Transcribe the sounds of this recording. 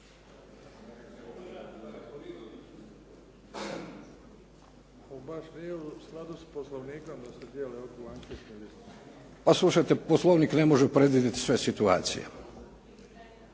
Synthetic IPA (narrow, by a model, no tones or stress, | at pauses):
obaʃnijeusklˠad̪usposlˠoʋniːko̞md̪ased̪jeleokoaŋket̪neʋi | paslˠuʃajt̪e̞poslˠoʋnikne̞mo̞ʒepɾe̞d̪ʋid̪jet̪i̥sʋe̞sit̪ua̰ːt̪sḭjḛ